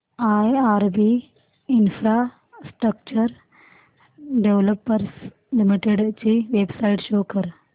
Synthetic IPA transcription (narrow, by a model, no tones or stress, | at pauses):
aːjaːɾbi | infʰɾaː | sʈɾɐk̚t͡ʃɐɾ | ɖeʋlɐpːɐɾs | limiʈeɖt͡ʃiʋeːbsajʈʃoːkɐɾ